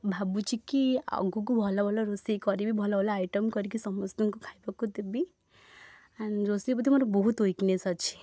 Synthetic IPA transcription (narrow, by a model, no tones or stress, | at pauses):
bʱabut͡ʃʰikia̰ɡuk̬ubʱɔlabʱɔlɔɾosikɔɾibʱibʱɔlabʱɔlaajʈɔmkɔɾikisɔmɔst̪iŋkukʰajpɔkut̪ebi | anɾosip̬ɔt̪ʰimɔɾɔbɔɦut̪ojknesɔt͡ʃʰi̥